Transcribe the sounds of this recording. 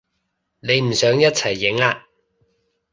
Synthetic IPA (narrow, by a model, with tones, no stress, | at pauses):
ne˨˧jm̩˨˩sœː˨˥ŋjɐ˥t̚t͡sʰɐ˨˩jːɪ˨˥ŋaː˧